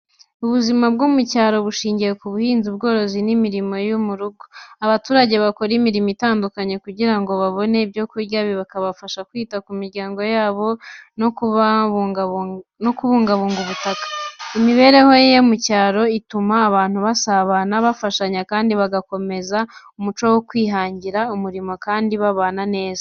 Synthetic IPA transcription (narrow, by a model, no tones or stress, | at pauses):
uβuzimab̚ɡomucaːɾo̞βuʃiːɲɟijekuβuhiːnzub̚ɡo̞ːɾo̞zinimiɾimo̞jumuɾuɡoaβatuːɾaɟe̞βako̞ɾimiɾimitaːndukaɲe̞kuɟiɾaŋɡo̞βaβo̞ne̞bɟo̞kuɾɟaβiβakaβafaʃakwiːtakumiɾɟaːŋɡo̞jaːβo̞nokuβa | nokuβuːŋɡaβuːŋɡuβutakḁimiβe̞ɾe̞ho̞jemucaːɾo̞itumaːβaːn̥huβasaβanaβafaʃaɲakaːndiβaɡako̞me̞za | umut͡ʃo̞wokwiːɦaːɲɟiɾaumuɾimo̞kaːndiβaβaːnane̞ːza